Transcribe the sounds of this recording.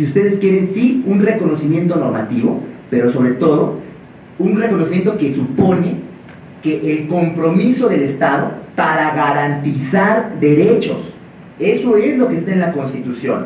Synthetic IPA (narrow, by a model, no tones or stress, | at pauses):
siust̪e̞ðe̞skje̞ɾe̞nsiunre̞ko̞no̞simjẽ̞nt̪o̞no̞ɾmat̪iβo̰pe̞ɾo̞so̞βɾe̞t̪o̞ð̞o̞ | unreko̞nosimjent̪oke̞supo̞ne̞ | ke̞ʔːlko̞mpɾo̞miso̞ðe̞le̞st̪aðo̞̰paɾaɣaɾant̪isaɾðe̞ɾe̞t͡ʃo̞̰s | e̞so̞e̞zlo̞kest̪aenlakonst̪it̪usjo̞̰n